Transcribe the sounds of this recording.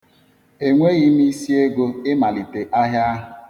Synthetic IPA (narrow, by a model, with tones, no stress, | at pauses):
e˨ŋʷe˦ɣi˦m̩i˦si˦e˦ɡo˦ɪ˦ma˨li˨te˨ʔa˦ɦja˦ɦʊ˨